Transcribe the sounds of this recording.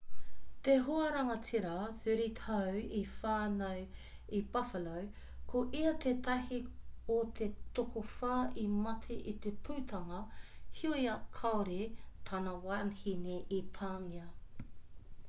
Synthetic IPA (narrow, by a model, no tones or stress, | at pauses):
t̪eɦoɐɾɐŋɐt͡siɾɐsʉɾitʰɐwifaːnɐw | ibɐfɐlow | kʰoʔiɐt̪ʰeːt̪ɐɦiot̪ʰet̪okʰofaːimɐtʰiʔit̪epʰuːt̪ʰɐŋɐhioiɐkʰɐoɾet̪ʰanɐwanhineʔipʰaːmiɐ